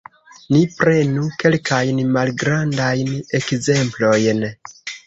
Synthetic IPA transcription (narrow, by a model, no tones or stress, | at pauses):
nipɾe̞nuke̞lkʰajnmalɡɾandajne̞kze̞mplo̞jn